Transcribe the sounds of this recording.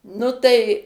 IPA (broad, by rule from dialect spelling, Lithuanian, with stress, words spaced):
ˈnʊ tɐɪ